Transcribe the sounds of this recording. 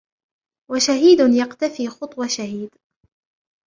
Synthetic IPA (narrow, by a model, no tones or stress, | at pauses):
waʃaɦiːd̪ʊnjaqt̪afiːxʊt̪ˤwɑʃaɦiːd̪